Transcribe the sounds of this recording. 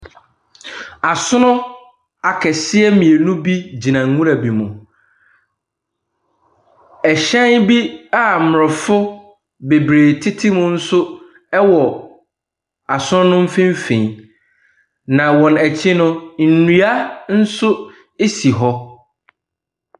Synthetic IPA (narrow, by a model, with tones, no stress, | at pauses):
a˨sʊ˦nʊ̃˦ | a˨kʰɛ˨sɪ˦ɛ˦mĩ˨e˨nũ˦bi˦d͡ʑi˨nã˨ŋ˦ŋũ˦ɾa˨bi˨mʊ̃˨ | ɛ˨ɕɛ̃˦nbi˦a˦˨m˨ɔ˨fʊ˦ | be˨bɾeː˨tʰɪ˦tʰɪ˦mʊ̃˦n̩˦sʊ˦ | ɛ˦wɔ˨ | a˨sʊ˦nʊ̃˦nʊ̃˦m̩˦fɪ̃˦m˦fẽ˨ɲ˨ | nã˨wɔ̃˨nɛ˨t͡ɕʰɪ˦nʊ̃˦n̩˨nũ˨a˦n̩˦sʊ˦ | e˦si˨ɦɔ˦